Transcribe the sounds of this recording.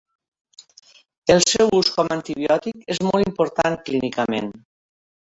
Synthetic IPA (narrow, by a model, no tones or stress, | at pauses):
elˠsɛwuskɔmant̪iβjɔt̪ikezmɔlˠimpoɾt̪aŋklinikəmḛn